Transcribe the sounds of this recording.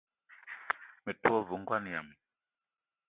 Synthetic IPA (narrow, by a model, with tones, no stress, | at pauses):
mɛ˨twɔ˦˨vu˨ŋɡwa˦n˨ja˨m˨